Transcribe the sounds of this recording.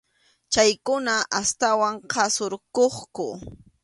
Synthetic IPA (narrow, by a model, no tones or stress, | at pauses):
t͡ʃajkʊnaʔast̪awaŋqʰɑsoɾkoχkʊ